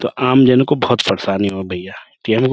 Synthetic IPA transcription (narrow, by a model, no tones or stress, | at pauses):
t̪o̰ʔaːmd͡ʒɛːnəkːobɔɦʊt̪fɐɾsaːniɦobʱɐjːaːʈiɛmk